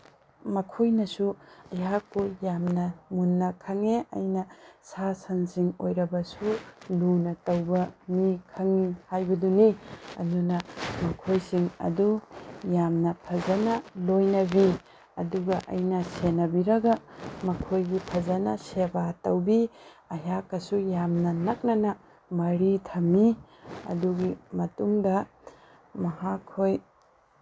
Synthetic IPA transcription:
mɐkʰojnɐsuɐjɦak̚pujamnɐmunːɐkʰɐŋeɐ̰jnɐsasɐnsiŋo̰jɾɐbɐsulunɐtɐwbɐmikʰɐŋihajbɐduniɐ̰dunɐmɐkʰojsiŋɐ̰dujamnɐpʰɐzɐnɐlojnɐbi | ɐ̰duɡɐʔɐ̰jnɐsenɐbiɾɐɡɐmɐkʰojɡipʰɐzɐnɐsebatɐwbiɐjakːɐsujamnɐnɐk̚nɐnɐ | mɐɾitʰɐmiɐ̰duɡimɐtuŋdɐ | mɐhakʰːoj

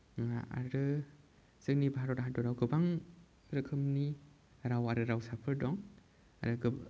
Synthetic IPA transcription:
ŋaa̰ɾɯ | z̥ɯknibaɦaɾɔdaɦadɔɾawɡɯbaŋ | ɾɯkʰɯmni | ɾawaɾɯɾawsapʰɯɾdɔŋ | aɾɯɡɯ

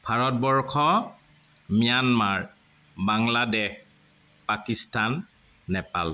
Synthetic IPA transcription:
b̥ʱaɹɔt̚bɔɹkʰɔ | mijanmaɹ | baŋladɛx | pakistanː | ɛpa̰l

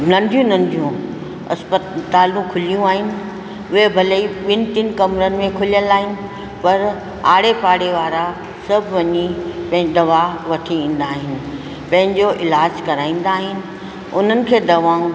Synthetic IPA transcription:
nɐ̃nɖ̪ʱijũnɐ̃nd̪ʱijũ | ɐ̰spət̪aːlũkʰʊlijũaːɦɪnɪ̆ | ʊɦebʱɐləiɓɪnɪ̆t̪ɪn̆kɐmɾənɪ̆mẽkʰʊlijəlaːɦɪnɪ̆ | pɐɾ | aːɽepaːɽeʋaːɾa | sɐbʱʋɐɲipɐ̃ɦɪ̃d̪ɐʋaʋɐʈʰiĩːn̆d̪aːɦɪnɪ̆ | pɐ̃ɦɪ̃ɲd͡ʑoʔɪlaːd͡ʑkɐɾaːĩːn̆d̪aːɦɪnɪ̆ | ʊn̤ənɪ̆kʰeːd̪ɐʋaːũ

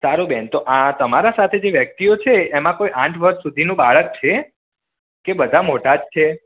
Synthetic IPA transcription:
saɾũbɛnt̪oʔãt̪əmaɾasat̪ʰed͡ʒeʋjək̚t̪iot͡ʃʰeːmãkojʔãʈʰʋəɾʃːud̪ʱinũbaɭək̚t͡ʃʰe | kebəd̪ʱamoʈad͡ʒt͡ʃʰe

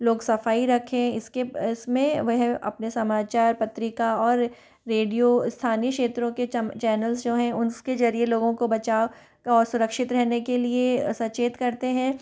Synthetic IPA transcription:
loːɡsɐfaːiɾɐkʰẽɪskeɪsmẽʋoɦɛ̃ɐ̰pnesɐmaːt͡ʃaːɾpɐt̪ɾɪkaɔːɾː | eːɖijost̪ʰaːnijəkʃeːt̪ɾõket͡ʃɛːnəlzd͡ʒoːɦɛ̃ʊnsked͡ʒɐɾieloːɡõkobɐt͡ʃaːo | kaɔːɾsʊɾəkʃɪt̪ɾɛɦnekeliesɐt͡ʃeːt̪kɐɾt̪eɦɛ̃ː

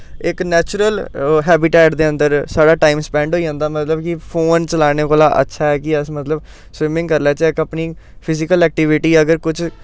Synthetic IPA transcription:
ɪknɛːt͡ʃʊɾəlɦɛːbɪʈɛːʈd̪eːə̃nd̪əɾsaːɽaːʈaːiːmspɛ̃ːɳɖɦoːiːd͡ʒãːnd̪aːmət̪ləbkɪpʰoːnt͡ʃəlaːɽ̃eːkoːlaːʔə̰tːʃʰaːɦɛːkɪəsmət̪ləb | swɪmɪ̃ŋɡkəɾlɛːt͡ʃɪkəpniːpʰɪzɪkəlɛːk̚ʈɪʋɪʈiːəɡəɾkʊt͡ʃʰ

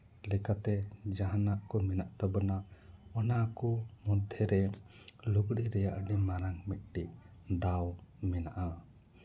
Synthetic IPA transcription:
lɛkat̪ɛd͡ʒaɦanaʔkɔmɛnaʔt̪ɔbɔnaɔnakɔmɔd̪ʱɛɾɛ | luɡɽiɾɛjaʔɖimaɾaŋmit̪̚ˀʈiʔ̚d̪awmɛnaʔa

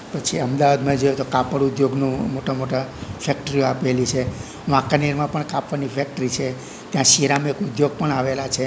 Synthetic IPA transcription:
pət͡ʃʰiəmd̪aʋad̪mãed͡ʒojet̪okapəɽud̪joɡnũmoʈamoʈafɛkʈəɾioapelit͡ʃʰe | ʋãkaniɾmãpəɳkapʋanifʰɛk̚ʈəɾit͡ʃʰe | t̪jãʃiɾamekud̪joɡ̚pəɳaʋelat͡ʃʰe

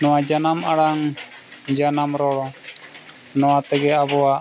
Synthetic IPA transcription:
nɔwad͡ʒanamʔaɽaŋ | d͡ʒanamɾɔɽɔ | nɔwat̪ɛɡɛabɔaʔ

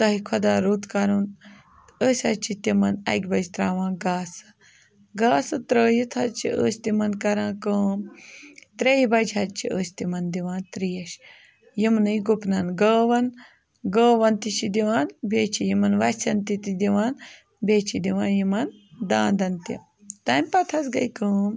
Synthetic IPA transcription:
t̪ɐɦikʰɐd̪aːɾuːt̪kɐɾun | əːsʲɐt͡ʃit̪imɐnɐ̰ɡʲbɐd͡ʒt̪ɾaːʋãːnɡaːsɐ̥ | ɡaːsɐɨt̪ɾəːjit̪ʰɐt͡ʃʰḭə̰ːsʲt̪imɐnkɐɾãːkəːmt̪ɾejibɐd͡ʒɦɐtt͡ʃʰiəːsʲt̪imɐnd̪iʋãːnt̪ɾijɐʃ | jimnɨjɡupnɐnɡəːʋɐn | ɡəːʋɐnt̪it͡ʃʰid̪iʋaːnbeːt͡ʃʰijimɐnʋɐsʲsɐnt̪it̪id̪iʋaːn | beːt͡ʃʰid̪iʋaːnjimɐnd̪aːnd̪ɐnt̪ḭ | t̪ɐmʲpɐt̪ʰɐsɡɐ̰jkəːm

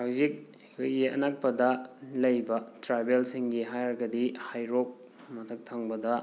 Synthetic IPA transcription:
hawzik̚ | kʰojiɐ̰nak̚pɐdɐlɐjbɐtɾajbelsiŋɡiɦajɾɐɡɐdihajɾok̚ | mɐtʰɐk̚tʰaŋbɐdɐ

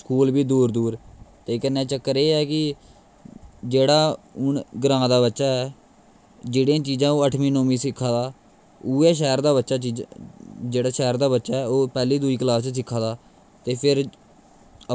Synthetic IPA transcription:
skuːlbiːd̪uːɾd̪uːɾt̪eːkənːɛ̃ːt͡ʃəkːəɾeːɛːkɪ | d͡ʒeːɽaːʊɳɡəɾãːd̪aːbətːʃaːɛː | d͡ʒeːɽĩãːt͡ʃiːd͡ʒãːoːəʈʰmĩːnõːmĩːsɪkʰːãːd̪aː | uːɛːʃ̬ɛːɾd̪aːbətːʃaːt͡ʃi | d͡ʒeːɽaːʃɛːɾd̪aːbətːʃaːɛːoːpɛːliːd̪uiːkəlaːst͡ʃs̬ɪkʰːãːd̪aː | t̪eːpʰɪɾ

